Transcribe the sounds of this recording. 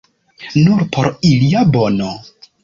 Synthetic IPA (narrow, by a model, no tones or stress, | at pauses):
nuɾpʰo̞ɾiliabo̞no